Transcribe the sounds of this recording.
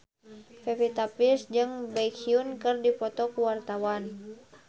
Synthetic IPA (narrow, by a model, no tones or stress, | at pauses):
fɛpit̪apisd͡ʒɨŋbaikiunkɨrdipɔt̪ɔkuwart̪awan